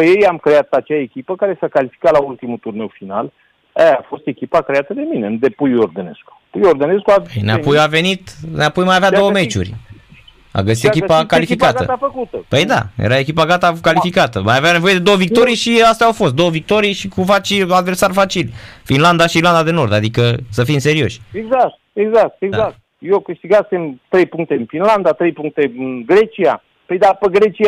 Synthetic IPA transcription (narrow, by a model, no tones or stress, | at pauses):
pəjejamkɾe̞at̪at͡ʃeaekʲipəkaɾesakalifi̥kalault̪imut̪urne̞wfinal | ejafo̞st̪e̞kʲipakɾeat̪əd̪e̞minend̪e̞pujord̪enesku̥pujord̪ene̞skuapəjneaujave̞nit̪neapujmajavead̪o̞wəme̞t͡ʃṵrʲ | a̰ɡəs̬it̪ekʲipakalifikatɡaə̰t̪afəkut̪əpəjd̪a̰jḛɾae̞kʲipaɡat̪akalifikat̪əmajaveanevo̞jed̪e̞d̪owəvik̚t̪o̞ɾijʃiast̪ɛawfo̞st̪̚d̪o̞wəvik̚t̪o̞ɾijʃikufat͡ʃiad̪versarfat͡ʃilfinland̪aʃiiːrland̪ad̪e̞no̞rd̪ad̪ikəsəfimse̞ɾio̞̰ʃʲeɡzak̚t̪̚eɡzak̚t̪eɡd̪akt | jokɨʃt̪iɡasemt̪ɾejpuŋk̚t̪eɨnfinland̪at̪ɾejpuŋk̚t̪eɨnɡɾe̞t͡ʃia̰ | pəjd̪apəɡɾe̞t͡ʃia